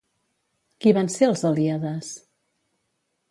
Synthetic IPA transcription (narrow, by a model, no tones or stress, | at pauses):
kiβanseəlˠzəliaðəs